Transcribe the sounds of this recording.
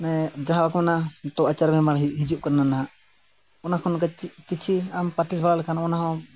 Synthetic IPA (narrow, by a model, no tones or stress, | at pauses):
nɛd͡ʒaɦãbakmɛnat̪ɔʔat͡ʃaɾbɛmaɾɦid͡ʒup̚kaɾnanaɦã | ɔnakʰɔnɔkkit͡ʃʰiampaʈis̬balalɛkʰanaɔnaɦɔ̃